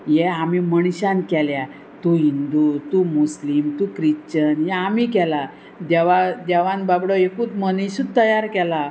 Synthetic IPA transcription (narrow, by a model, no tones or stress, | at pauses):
jɛamiməɳ̃ɕãnkɛlja | t̪uɦind̪ut̪umuslimt̪ũkɾiɕt͡ɕənjɛamikɛla | d̪ɛʋad̪ɛʋãnbabɽɔekũːt͡s̪məniɕut̪ːəjaɾkɛla